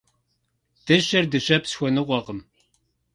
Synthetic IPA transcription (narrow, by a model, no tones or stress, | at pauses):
d̥ɨɕɐrdɨɕɐpsxʷɔnɨʁʷɔʁəm